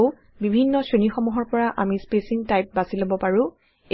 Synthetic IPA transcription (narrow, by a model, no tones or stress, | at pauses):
ʊ | bibʱinːɔsenixɔmuɦɔɹpɔɹaʔamispesiŋtajp̚basilobɔpaɹʊ̃